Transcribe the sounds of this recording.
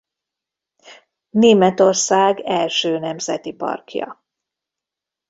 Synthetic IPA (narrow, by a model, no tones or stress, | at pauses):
neːmɛt̪o̞rsaːɡɛlʃøːnɛmzɛt̪ipɒ̰rkjɒ̰